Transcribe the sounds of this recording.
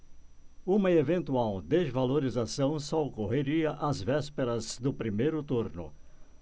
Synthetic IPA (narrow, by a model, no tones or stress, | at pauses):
ũmɐevẽnt̪uawd̪ezvaloɾizasɐ̃w̃sɔokoɦeɾiɐʔazvɛspeɾɐzd̪ʊpɾimejɾʊt̪uɾnʊ̰